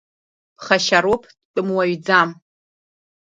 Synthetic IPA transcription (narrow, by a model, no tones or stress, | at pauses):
b̥χaʃaɾopʰ | tʼɨmwaɥd͡zam